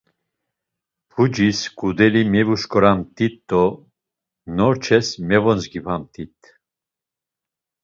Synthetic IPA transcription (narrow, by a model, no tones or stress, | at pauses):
pʰud͡ʒiskʼud̪ɛlimɛvuʃkʼɔɾamt̪ʼit̪ːɔ | nɔɾt͡ʃʰɛsmɛvɔnt͡sɡipʰamt̪ʼit̪ʰʼ